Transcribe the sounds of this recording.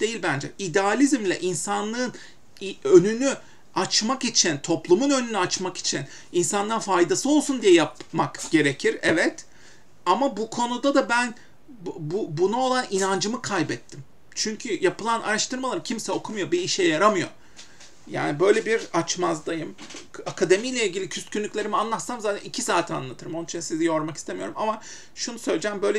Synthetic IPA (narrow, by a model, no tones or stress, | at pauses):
d̪̥e̞jilʲbænd͡ʒɛid̪ɛalʲizmlʲɛ̰ʔinsanlˠɯːn | iønyny | at͡ʃmakit͡ʃʰint̪ʰo̞plˠumunø̞nynyat͡ʃmaki̥t͡ʃʰin | insanˠaɾɯnfajd̪asɯo̞lˠsund̪ijɛjapmakɟ̥e̞ɾecʰiɾɛvɛt̪ | amabukʰo̞nud̪ad̪abæn | bbubunao̞lˠaninand͡ʒɯmɯkʰajbɛt̪ʰːim | t͡ʃʰyɲcʰyjapɯlˠanʔa̰ɾaʃt̪ɯɾmalˠaɾɯmcʰimsɛo̞kʰumujo̞biːʃɛjaɾamɯjo̰ | ja̰ːnibø̞jlʲebiɾat͡ʃmazlˠajɯmakʰad̪e̞mijlʲɛilʲɟʲilʲicʰyst̪cʰynlʲycʰʲlʲe̞ɾimianlˠat̪samzaːt̪ʰɛnicʰisaːt̪ʰia̰nlˠat̪ʰɯɾɯmoit͡ʃinsizijo̞ɾmakist̪ʰemijo̞ɾumama | ʃunusø̞jlʲed͡ʒɛmbø̞jlʲɛ